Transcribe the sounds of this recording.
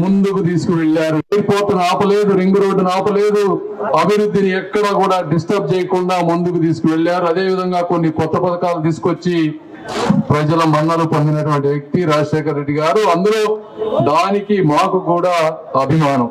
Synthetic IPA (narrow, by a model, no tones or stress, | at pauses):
mund̪ukut̪̬iːsu̥kuʋeɭːaːɾuɐjɾpoːɾt̪unaːpɐle̞ːd̪uɾiŋɡɾo̞ːɖunaːpɐle̞ːd̪u | ɐbʱiɾud̪ːiniɛkːɐɽɐkuːɽaːɖisʈɐp̚t͡ʃɛːjɐkuɳɖaːmund̪ukut̪iːsu̥kuʋeɭːaːɾuɐd̪e̞ːʋid̪ʱɐŋɡaːko̞nːikɔt̪ːɐpɐd̪ɐkaːlut̪iːsu̥kot͡ʃːi | pɾɐd͡ʒɐlɐmɐnːɐlupɐnd̪inɐʈuʋɐɳʈiʋjek̚t̪iɾaːd͡ʒɐʂɛːkɐɾːe̞ɖːiɡaːɾuɐnd̪ulo̞ːd̪aːnikimaːkukuːɽaːɐbʱimaːnɐm